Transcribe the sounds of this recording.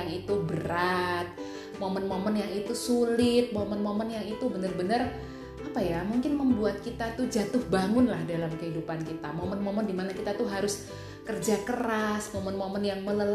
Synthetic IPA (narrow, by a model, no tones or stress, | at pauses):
aŋit̪ubəɾat̪̚ | momənmomənjaŋit̪usulɪt̪̚momənmomənjaŋit̪ubənərbənər | apajamuŋkɪnməmbuat̪̚kit̪at̪ud͡ʒat̪ʊhbaŋʊnlahdalamkəɦidupankit̪amomənmoməndimanakit̪at̪uɦaɾʊs | kərd͡ʒakəɾasmomənmomənjaŋmələl